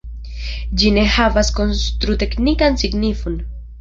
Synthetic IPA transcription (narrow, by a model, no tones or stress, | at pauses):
d͡ʒine̞havasko̞nst̪ɾut̪e̞knikansiɡnifon